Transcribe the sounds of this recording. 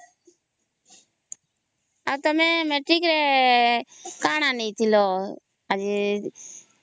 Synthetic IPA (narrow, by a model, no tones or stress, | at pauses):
əʋt̪əmẽːmẽːʈiːkɾeː | kaːɳãːnĩːt̪ʰɪloː | əd͡ʒi